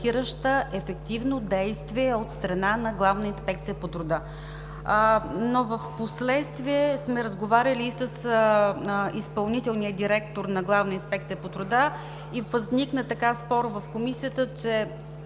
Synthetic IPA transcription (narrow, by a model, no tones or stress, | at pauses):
iɾəʃt̪əʔɛfɛk̚t̪ivnod̪ɛjst̪viɛot̪st̪ɾɐnanɐɡlˠavnəinspɛk̚t̪sijəpot̪ɾʊd̪a | novəfposlɛt̪st̪viɛsmɛɾəzɡovaɾʲəliːsəs | ispɐlˠnit̪ɛlˠnijəd̪iɾɛkt̪oɾnɐɡlˠavnəinspɛk̚t̪sijəpot̪ɾʊd̪a | ivəzniknət̪ɐkaspɔɾvɐfkomisijət̪ət͡ʃɛ